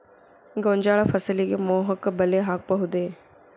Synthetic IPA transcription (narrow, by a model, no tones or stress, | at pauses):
ɡõːɲʲd͡ʑaːɭafɐsəlikemoːɦəkbɐleɦaːk̚pɐɦʊd̪eː